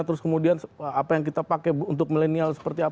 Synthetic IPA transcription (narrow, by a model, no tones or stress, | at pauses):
t̪əɾʊskəmudianapajaŋk̬it̪apakɛunt̪ʊk̚milenialsə̥pərt̪ia